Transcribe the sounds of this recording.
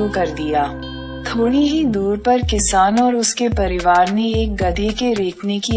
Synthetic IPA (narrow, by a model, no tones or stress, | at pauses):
ukɐɾd̪ijaː | t̪ʰoːɽiɦid̪uːɾpɐɾkɪsaːnɔːɾʊskepɐɾɪʋaːɾneeːk̚ɡɐd̪ʱekeɾeːkʰneki